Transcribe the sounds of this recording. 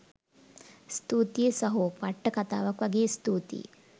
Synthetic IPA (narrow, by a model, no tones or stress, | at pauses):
st̪uːt̪jesɐɦupɐʈːɐkɐt̪a̰ːʋɐkʋɐɡeːst̪uːt̪ḭ